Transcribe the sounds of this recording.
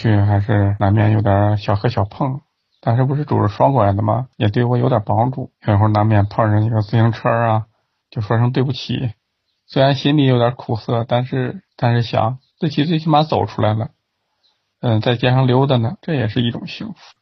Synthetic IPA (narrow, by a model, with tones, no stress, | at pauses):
t͡ɕʰy˥˩xa˧˥ɪʂɻ̩˥˩na˧˥nmjɛ̰˥˩njo˧˩ʊt̪jə˧˥ɕjɑ˨˩ʊxɤ˧˥ɕjɑ˨˩ʊpʰɤ˥˩ŋ | t̪a˥˧nʂɻ̩˥˩p̬ʂɻ̩˥˩ʈ͡ʂu˨˩ɻ̩˧˥ʂwɑ˥ŋkwɔ˥˩a˧˥ɪd̪ə˧mɐ̰˩jɛ˨˩t̪we˥˩ɪwɔ˧˥jo˧˥ʊt̪jɐ˨˩pɑ˥ŋʈ͡ʂu˥˩jo˧˩i˧˥xo˥˩na˧˥mjɛ˥˩npʰɤ˥˧ŋɻə˧˥ni˥˩ɡə˧t͡sɹ̩˥˩ɕi˧˥ŋʈ͡ʂʰə˥ɐ˧ | t͡ɕjo˥˧ʊʂwa˥ʂ̬ɤ˥ŋt̪we˥˧ɪp̬u˥˩t͡ɕʰḭ˨˧˩ | swe˥ɪa˧˥nɕi˥nli˧˩jo˧˥ʊt̪ʲjə˞˧˥kʰu˨˩sɤ˥˩t̪a˥˧nʂɻ̩˥˧t̪a˥˧nʂɻ̩˥˩ɕjɑ̰˧˥ŋt͡s̩˥˩t͡ɕʰi˥t͡swe˥˧ɪt͡ɕʰi˥ma˧˥nt͡so˨˩ʊʈ͡ʂʰu˥la˧˥ɪlə˧ | ə˧t͡sa˥˧ɪt͡ɕja˥ʂɑ˥˩ŋljo˧˥ʊd̪ə˧nə˩ʈ͡ʂɤ˥˩jɛ˨˩ʂɻ̩˥˧i˥˩ʈ͡ʂʊ̰˨˩ŋɕi˧˥ŋfu̥˧˩